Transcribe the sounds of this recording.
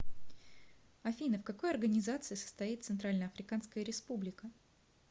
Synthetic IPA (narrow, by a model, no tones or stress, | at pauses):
ɐfʲinəfkɐko̞jɐrɡənʲɪzat̪sɨɪsə̥st̪ɐit̪t̪sɨnt̪ɾalʲnəɐfɾʲɪkanskəjəɾʲɪspublʲɪkə